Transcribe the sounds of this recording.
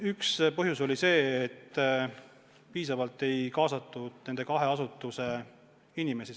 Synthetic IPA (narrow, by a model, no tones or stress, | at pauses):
ykspɤɦjuso̞lise̞ːt̪ː | piːsɑvɑlt̪ːˑe̞jkɑːsɑt̪ːˑud̪̥ne̞nd̪̥e̞kɑɦe̞ɑsut̪ːˑuse̞ | inime̞si